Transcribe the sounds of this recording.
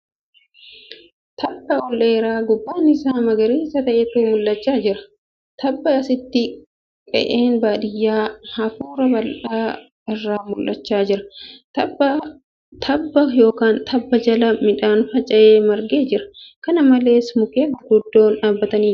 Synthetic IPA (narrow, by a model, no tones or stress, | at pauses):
t̪ɐbːɐɔleːɾaːɡʊbːaːnɪsaːmɐɡɐɾiːɪsɐt̪ɐʔɛt̪uːmʊlːɐt͡ʃːaːd͡ʒɪɾɐ̥ | t̪ʰɐbːɐɐsɪt̪ːɪ | kʼɛ̰ʔeːnbaːᶑɪjːaːhɐfuːɾɐbɐlʔaː | ɪrːaːmʊlːɐt͡ʃːaːd͡ʒɪɾɐ̥ | t̪ʰɐbːɐjo̞ːkaːnt̪ʰɐbːɐd͡ʒɐlɐmɪᶑaːnfɐt͡ʃʼɐʔeːmɐɾɡe̞ːd͡ʒɪɾɐ̥kɐnɐmɐle̞ːsmʊkeːɡʊɡʊd̪ːo̞ːnᶑaːbːɐt̪ɐniː